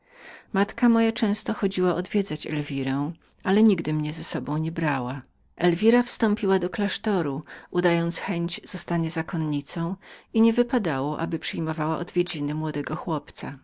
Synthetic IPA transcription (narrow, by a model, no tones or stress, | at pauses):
mat̪kamɔjat͡ʂɛ̃w̃st̪ɔxɔd͡ʑiwaʔɔd̪vʲjɛd̪zat͡ɕɛ̰lvʲiɾɛ̃w̃ | alɛɲiɡd̪ɘmɲɛzɛsɔbɔ̃w̃ɲɛbɾawa | ʔɛlvʲiɾafst̪ɔ̃mpʲiwad̪ɔklaʂt̪ɔɾuud̪ajɔnt̪sxɛɲd͡ʑz̥ɔst̪aɲɛzakɔnɲit̪sɔ̃w̃iɲɛvɘpad̪awɔʔa̰bɘpʂɘjmɔvawaʔɔd̪vʲjed͡ʑinɘmwɔd̪ɛɡɔxwɔpt̪sa̰